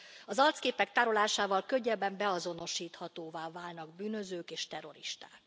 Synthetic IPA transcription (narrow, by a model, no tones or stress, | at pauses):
ɒzɒlt̪skeːpɛk̚t̪aːɾolaːʃaːvɒlkøɟːɛbɛmbɛɒzo̞no̞ʃiːt̪hɒt̪oːvaːvaːlnɒɡ̚byːnø̞zøːkeːʃt̪ɛɾo̞̰ɾiʃt̪a̰ːk